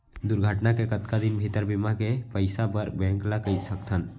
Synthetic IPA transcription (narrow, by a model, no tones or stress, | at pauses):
d̪uɾɡʱəʈnakekət̪̚kad̪inbʱit̪əɾbimakepəjsapəɾbɛ̃ŋklakəjt̪sək̚t̪ʰən